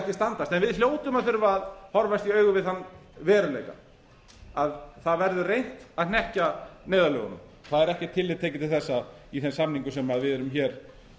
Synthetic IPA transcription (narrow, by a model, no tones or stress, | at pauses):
ɛhcɪst̪ant̪ast̪ɛnvɪðljoːwt̪ʏmaðθʏɾvaːðhɔɾvajst̪iœːɥɣʏvɪðθanːvɛːɾʏlḛjka̰ | aðθaðvɛɾðʏrejn̥t̪aðnɛhcaneːjðalœ̰ːɣʏ̰nʏ̰m | θaðɛɾɛhcɛt̪ʰːɪlːɪt̪ʰeːjcɪt̪ʰɪlθɛsːaiθɛnsamniŋkʏsɛmaðvɪðɛɾʏmçɛːɾ̥